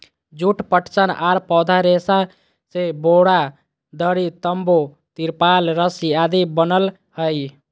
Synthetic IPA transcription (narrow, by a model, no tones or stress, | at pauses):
d͡ʒuʈpəʈt͡ʃənʔaɾpɔd̪ʱaɾesa | seboɽa | d̪əɽit̪əmbo | t̪iɾpalɾəsiad̪ibənəl | həj